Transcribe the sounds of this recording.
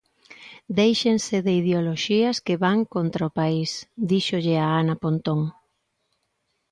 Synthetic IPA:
d̪ejʃeŋseðeið̞eoloʃiɐskeβaŋkont̪ɾaopaisd̪iʃoʎɪaanapont̪oŋ

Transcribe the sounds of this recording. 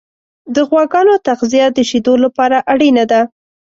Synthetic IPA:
d̪əɣwɑɡɑnot̪aqzijad̪əʃid̪olapɑɾaʔaɽinad̪a

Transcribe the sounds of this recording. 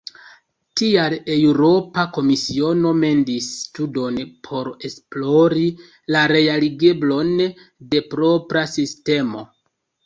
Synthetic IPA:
tialewɾo̞pako̞misio̞no̞me̞ndistudo̞npʰo̞ɾe̞splo̞ɾi | laɾe̞aliɡeblo̞n | de̞pɾo̞pɾasiste̞mo̞̰

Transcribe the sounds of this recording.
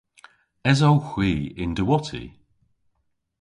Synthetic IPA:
ɛzɔwxw̥iːɪndəwɔtʰḭ

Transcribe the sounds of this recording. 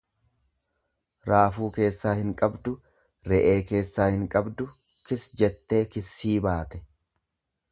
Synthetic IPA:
ɾaːfuːke̞ːsːaːhɪŋkʼɐbd̪ʊ | ɾɛʔe̞ːke̞ːsːaːhɪŋkʼɐbd̪ʊ | kɪsd͡ʒɛt̪ːe̞ːkɪsːiːbaːt̪ɛ̥

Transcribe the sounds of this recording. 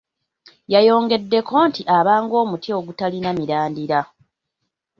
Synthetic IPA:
jajo̞ːŋɡe̞dːe̞kʰo̞ːntiʔaβaːŋɡo̞ːmutʰio̞ɡutalinamiɾaːndiɾa

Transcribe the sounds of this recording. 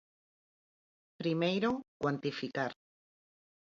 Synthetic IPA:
pɾimejɾokwant̪ifikaɾ

